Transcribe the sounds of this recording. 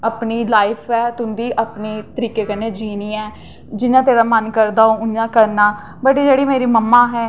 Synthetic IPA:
aːpniːlaːɪpʰɛːt̪ʊnd̪iːʔapneːt̪əɾiːkeːkənẽːd͡ʒiːniːɛː | d͡ʒɪnãːt̪eːɽaːmənkəɾd̪aːoːʊnːãːkəɾnaː | bəʈeːd͡ʒeːɽiːmeːɾiːməmːaːɦɛː

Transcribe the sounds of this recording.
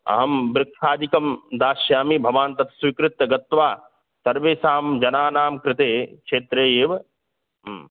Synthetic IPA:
ɐ̰ɦɐmbɾɪkʃaːd̪ikɐmd̪aːʃjaːmibʱɐʋaːnt̪ɐt̪ʰsʋikɾɪt̪ːɐɡɐt̪ːʋaː | sɐɾʋeːsaːmd͡ʒɐnaːnaːmkɾɪt̪eːkʃʰeːt̪ɾeːjeːʋ

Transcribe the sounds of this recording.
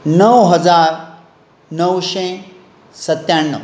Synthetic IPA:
nəwɦɐd͡zaɾ | nəwʃẽ | sət̪jaɳːə

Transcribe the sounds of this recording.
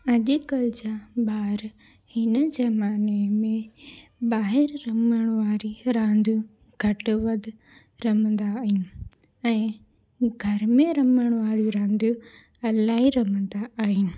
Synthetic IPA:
ɐʄʊkɐld͡ʑaɓaːɾ | hɪnəd͡ʑɐmaːnemẽɓaːɦɪɾɾɐməɽ̃ʋaːɾiɾãːnd̪ũ | ɡʱɐʈʋɐd̪ʱ | ɾɐmə̃nd̪aːɦɪnɪ̆ | ɛ̃ː | ɡʱɐɾmẽɾɐməɽ̃ʋaːɾjuɾãːnd̪ju | ɐlaːɦiɾɐmə̃nd̪aːɦɪnɪ̆

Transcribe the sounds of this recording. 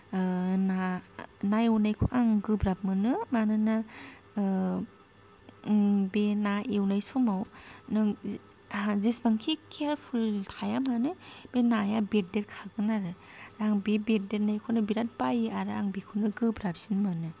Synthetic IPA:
nanajunajkʰuaŋɡɯbɾap̚mɯnɯmanɯna | benaʔewnajsumawnɯ | zisbaŋkʰikʰeɾpʰultʰajamanɯb̥enajabet̚deɾkʰaɡɯnaɾɯ | ɾaŋbebet̚deɾnajkʰɔnɯbiɾat̚bajaɾɯaŋbikʰunɯɡɯbɾap̚sinmɯnɯ

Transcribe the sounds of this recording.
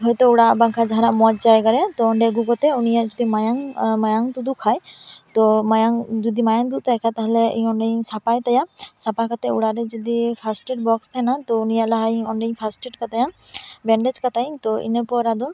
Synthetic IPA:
ɦɔjt̪ɔuɽaʔbaŋkʰad͡ʒaɦaɾaʔmɔd͡ʒd͡ʒajɡaɾɛt̪ɔːɳɖɛɡuɡɔt̪ɛunijaʔd͡ʒud̪imajaŋmajaŋt̪ud̪ukʰajt̪ɔmajaŋd͡ʒɔd̪imajaŋd̪uʔt̪ajkʰat̪aɦɛlɛḭɲɔɳɖɛɲsapajt̪ajasapakat̪ɛuɽaɾɛd͡ʒɔd̪ipʰasʈeʈ̚bɔkst̪ʰajnat̪ɔunijaʔlaɦaiɲɔɳɖɛɲpʰasʈeʈkat̪ajabɛɳɖɛd͡ʒkat̪aj̃t̪ɔḭnepɔɾad̪ɔ

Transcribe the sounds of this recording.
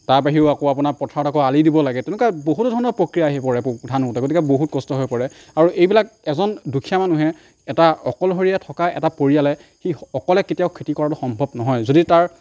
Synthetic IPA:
taɹpaɦiʊakoapunaɹpɔtʰaɹɔtakɔalidibɔlaɡɛtɛnukaboɦutdʱɔɹɔnɔɹpɹokɹijaːɦipɔɹɛpdʱanutɛɡotikɛboɦut̚kɔstɔɦojpɔɹɛ | aɹuʔejbilak̚ɛzɔndukʰijamanuɦɛ | ɛtaɔkɔlɦoɹijatʰɔkaɛ̰tapoɹijalɛ | xiɔkɔlɛketijaʊkʰːitikɔɹauxɔmbʱɔbnɔɦɔjzoditaɹ

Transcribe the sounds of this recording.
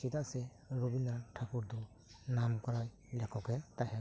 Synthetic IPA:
sit̪aʔsɛ | ɾubinaɾʈʰakuɾd̪ɔ | namkɔɾaj | lɛkʰɔkɛt̪ahɛ

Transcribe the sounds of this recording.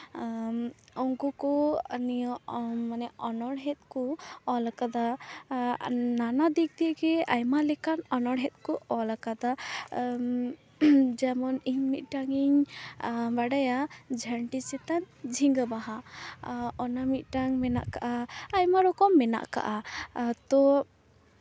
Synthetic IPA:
ɔŋkukɔnijɔmanɛɔnɔɽɦɛt̪̚kɔɔlakad̪a | nanad̪ik̚d̪ijəɡɛajmalɛkanɔnɔɽɦɛt̪̚ˀkɔɔlakad̪a | d͡ʒɛmɔniɲmit̪̚ˀʈaŋiɲ | baɖajad͡ʒʱəɳʈit͡ʃɛt̪an | d͡ʒʱiŋɡabaɦa | ɔnamit̪̚ˀʈaŋmɛna̰ʔkaʔaːjmaɾɔkɔmːɛna̰ʔka̰ʔat̪ɔ

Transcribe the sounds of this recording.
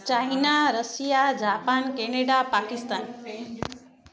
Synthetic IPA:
t͡ʃaɦinaɾəsijad͡ʒaːpaːnkeneɖapakist̪aːn

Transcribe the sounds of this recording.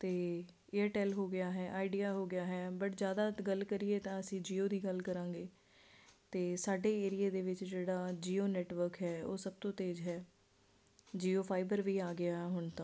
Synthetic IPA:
t̪eː | ɪəɾʈɛːlɦoːɡɪjaːɦɛːʔaːiɖijaːɦoːɡɪjaːɦɛːbəʈzjaːd̪aːɡəlkəɾɪeːt̪ãːəsĩːd͡ʒiːoːd̪iːɡəlkəɾãːŋɡeː | t̪eːsaːɖeːeːɾɪjaːd̪eːʋɪt͡ʃd͡ʒeːɽaːd͡ʒiːoːnɛːʈʋəɾkɦɛːo̰ːsəb̚t̪õːt̪eːd͡ʒɦɛː | d͡ʒiːoːpʰaːɪbəɾʋiːaːɡɪjaːɦɛɦʊɳt̪ãː

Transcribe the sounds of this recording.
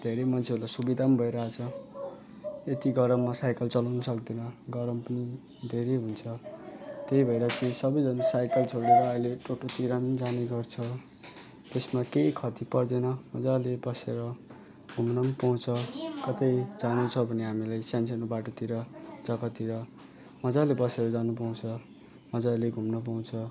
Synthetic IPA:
d̪ʱeɾemʌnt͡sʰeɾulasubid̪ʱambʱʌeɾʌat͡sʰʌ | et̪iɡʌɾʌmːasajkʌlt͡sʌlawnʌsʌkd̪inʌɡʌɾʌmpʌni | d̪ʱeɾeɦunt͡sʰʌt̪eibʱʌeɾʌt͡sĩsʌbʌjd͡zʌnsajkʌlt͡sʰoɽeɾʌːileʈoʈot̪iɾamʌd͡zaneɡʌrt͡sʰʌ | t̪esmakejkʰʌt̪ipʌrd̪enʌmʌd͡zalebʌseɾʌ | ɡ̥ʱumnʌmpaw̃t͡sʰʌkʌt̪ʌjd͡zanut͡sʰʌbʱʌneɦamilajsjans̬ʌnubaʈot̪iɾʌd͡zʌkʌt̪iɾʌ | mʌd͡zalebʌseɾʌd͡zanup̬aw̃t͡sʰʌ | mʌd͡zaleɡʱumnʌp̬aw̃t͡sʰʌ

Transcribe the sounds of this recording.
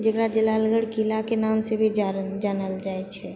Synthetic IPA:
d͡ʒekɾad͡ʒelaləɡəɽkilakenamsebʱid͡ʒd͡ʒanəld͡ʒaɛt͡ʃʰɛ

